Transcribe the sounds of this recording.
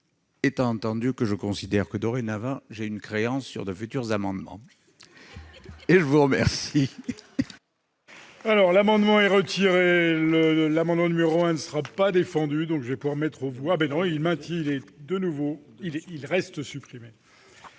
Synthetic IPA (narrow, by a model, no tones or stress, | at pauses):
et̪ɑ̃ɑ̃t̪ɑ̃d̪ykəʒəkɔ̃sid̪ɛʁkəd̪ɔʁenavɑ̃ʒeynkχeɑ̃sːy̰ʁd̪əfyt̪yʁzamɑ̃d̪mɑ̰̃ | eʒəvuʁəmɛʁsi | alɔʁlamɑ̃d̪mɑ̃ɛʁət̪ʰiʁeləlamɑ̃d̪mɑ̃nymeʁoɛ̃nəsəʁapad̪efɑ̃d̪yd̪ɔ̃kʒəvɛpuvwaʁmɛt̪χəvuabɛnɔ̃ilmɛ̃t̪jɛ̃ilɛd̪ənuvo | ilɛilʁɛst̪sypχime